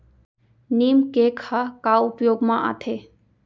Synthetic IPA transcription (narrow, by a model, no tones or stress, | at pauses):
nimkekʰakaupjoːɡmãʔa̰t̪ʰe